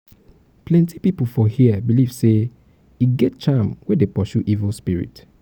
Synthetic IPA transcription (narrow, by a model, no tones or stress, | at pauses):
plɛ̃ntʰipipfɔhiəbiliv̥se | iɡɛt̚t͡ʃãmwedepɔʃuʔivlspiɹḭt